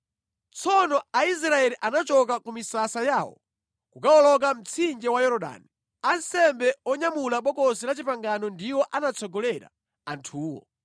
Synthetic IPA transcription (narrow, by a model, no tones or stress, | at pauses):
t͡sʰɔnɔais̬ɾaɛliʔanat͡ʃɔk̬akumisasajaːwɔ̰ | kukaɔlɔk̬am̩t͡sʰind͡ʒɛwajɔɾɔɗa̰ːni | ansɛmbɛɔɲamulaɓɔkɔsilat͡ʃipaŋɡanɔndiwɔʔanat͡sʰɔɡɔlɛɾa̰ | antʰuːwɔ̰